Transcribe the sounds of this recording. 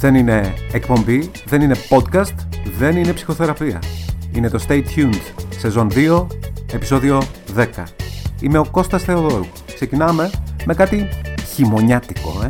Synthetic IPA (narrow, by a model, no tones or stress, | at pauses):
ðe̞nine̞ːkpo̞mbi | ðe̞nine̞po̞t̪kɐst̪ðe̞nine̞psi̥xo̞θe̞ɾɐpiɐ̰ine̞t̪o̞st̪ejt̪çund̪se̞zo̞nðio̞e̞pi̥so̞ðio̞ðe̞kɐ̰ime̞o̞ko̞st̪ɐsθe̞o̞ðoɾu | kse̞cinɐme̞me̞kɐt̪içimo̞ɲɐt̪i̥ko̞̰e